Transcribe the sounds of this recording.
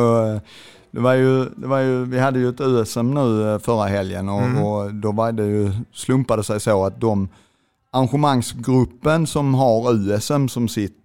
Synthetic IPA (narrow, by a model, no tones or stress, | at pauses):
ɔ | d̪̥ɛvaɾjɵd̪ɛvaɾjɵvɪhad̪ːəjɵɛt̪ʉ̟ːɛsɛmːnʉ̟ːfœɾaɦɛljə̰nɔɔd̪ɔvaɾd̪ɛjɵslɵmpad̪əsɛjsoːat̪̚d̪ɔm | aɾnɧəmaŋsɡɾɵpːənsɔmɦaɾʉ̟ːɛsɛmːsɔmsɪt̪ː